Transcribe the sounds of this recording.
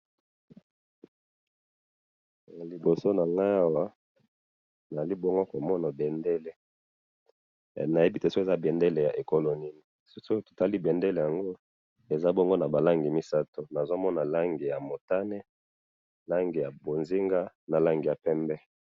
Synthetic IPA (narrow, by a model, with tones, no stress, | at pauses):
a˨li˨bo˨so˦na˨ŋɡa˦a˦wa˦ | na˨za˨li˦bo˦ŋɡo˦ko˨mɔ˦na˨bɛ˨nde˦le˦˨ | na˨je˦bi˦te˨so˦ke˨za˦bɛ˨nde˦le˨ja˨ʔe˨ko˦lo˨ni˦ni˨ | sso˦to̥˨ta˦li˦bɛ˨nde˦le˨ja˨ŋɡo˦ | e˨za˦bo˦ŋɡo˦na˨ba˨la˦ŋɡi˨mi˦sa˦to˦na˨zo˦mɔ˦na˨la˦ŋɡi˨ja˨mo˨ta˦ne˦ | la˦ŋɡi˨ja˨bo˨nzi˦ŋɡa˦ | na˨la˦ŋɡi˨ja˨pɛ˦mbɛ˦